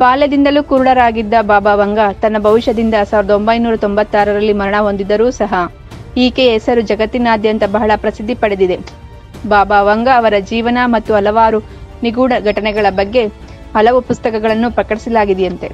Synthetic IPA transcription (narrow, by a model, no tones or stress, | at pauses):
baːled̪ind̪ɐluːkuːɾuɭɐɾaːɡid̪ːɐbaːbaːʋɐŋɡɐt̪ɐnːɐbʱɐʋiʃɐd̪ind̪ɐsaːʋiɾɐd̪o̞mbɐjnuːɾɐt̪o̞mbɐt̪ːaːɾɐɾɐlːimɐɾɐɳɐɦo̞nd̪id̪ɐɾuːsɐɦɐ | iːkeːsɐɾud͡ʒɐɡɐt̪ːinaːd̪jɐnt̪ɐbɐɦɐɭɐpɾɐsid̪ʱːipɐɽed̪id̪e̞ | baːbaːʋɐŋɡɐːʋɐɾɐd͡ʒiːʋɐnɐmɐt̪ːuɦɐlɐʋaːɾu | niɡuːɽɐɡʱɐʈɐnɛɡɐɭɐbɐɡːe̞ | hɐlɐʋupust̪ɐkɐɡɐɭɐnːupɾɐkɐʈisɐlaːɡid̪ɛjɐnt̪e̞̰